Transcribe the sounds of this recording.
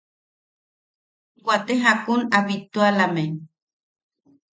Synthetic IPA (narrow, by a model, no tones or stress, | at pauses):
kʷat̪eɦakunaβit̪ualameɲ